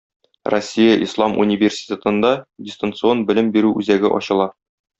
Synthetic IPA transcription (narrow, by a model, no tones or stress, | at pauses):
rosʲːijəʔḭslˠɑmʔṵnʲivʲersʲi̥tʲet̪ɤ̆nd̪ɑdʲɪst̪ənt̪sɨo̞nbɘ̆lɘmbiɾʉʔʉzæɡɘʔɒ̰ɕɤ̆lˠɑ